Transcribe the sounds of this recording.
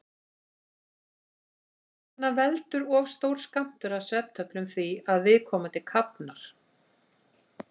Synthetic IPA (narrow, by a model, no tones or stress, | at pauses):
hanːavɛlt̪ʏɾɔːvst̪owɾ̥skam̥t̪ʏɾaðsɛp̚t̪ʰœplʏmθviaðvɪðkʰɔːmat̪ɪlkʰapnaɾ̥